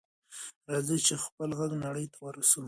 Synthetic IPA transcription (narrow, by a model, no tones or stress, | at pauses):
ɾɑzət͡ʃexpəlɣaɡnaɽəjt̪ʰawaɾasəm